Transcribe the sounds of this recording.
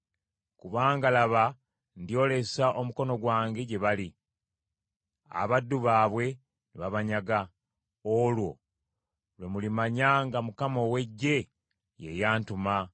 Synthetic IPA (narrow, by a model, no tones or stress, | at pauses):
kuβaːŋɡalaβa | ndijo̞le̞saʔo̞muko̞no̞ɡwaːŋɡe̞ɟe̞βali | a̰βadːuβaːβwe̞ | niβaβaɲaɡa | olwo̞̰ | lwe̞mulimaɲaŋɡamukamo̞we̞ɟːe̞ | je̞̰jaːntuma